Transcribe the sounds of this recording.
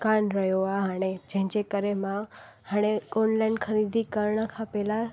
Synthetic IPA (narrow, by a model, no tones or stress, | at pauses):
kãɳɾəjoaɦaned͡ʒɛ̃d͡ʒekəɾemã | həɽ̃eɔnlajnkʰəɾid̪ikəɾɳakʰapela